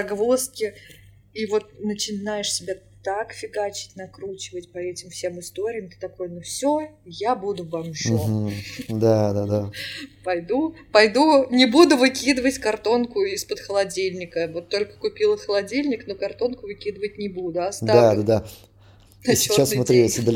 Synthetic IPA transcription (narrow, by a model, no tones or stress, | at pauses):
ɐɡvoskʲɪ | ivo̞t̪̚nət͡ɕɪnajɪʂsʲɪbʲat̪akfʲɪɡat͡ɕɪ̥tʲnɐkɾut͡ɕɪvətʲpɐɛtʲɪmfsʲe̞mɨst̪o̞ɾʲɪjəmt̪ɨ̥t̪ɐko̞jənofsʲojabud̪ʊvamʂ̩ | d̪ad̪ad̪apɐjd̪upɐjd̪unʲɪbud̪ʊvɨkʲid̪əvətʲkɐrt̪o̞nkʊɪspət̪xəlˠɐdʲilʲnʲɪkəvo̞t̪ːo̞lʲkə̥kʊpʲilˠəxəlˠɐdʲilʲnʲɪkno̞kɐrt̪o̞nkʊvɨkʲid̪əvət̚ʲnʲɪbud̪ʊɐstd̪aad̪ad̪a | ɐt͡ɕːɪot͡ɕːasːmɐt̪ɾʲiesʲd̪əlʲ